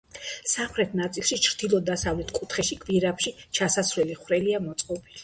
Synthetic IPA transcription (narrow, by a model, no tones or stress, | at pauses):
samχɾɛt̪ʰnat̪sʼilˠʃit͡ʃʰɾd̪̥ilˠɔd̪asavlɛt̪ʰkʼut̪ʰχɛʃikʼviɾapʃit͡ʃʰasasɾɛliχwɾɛliamɔt̪sʼqʼɔbili